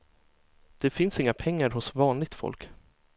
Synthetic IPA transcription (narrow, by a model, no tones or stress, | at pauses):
d̪̥ɛfɪnsɪŋːapʰɛŋːaɾɦʊsvɑːnlɪɡ̚t̪fɔ̰lk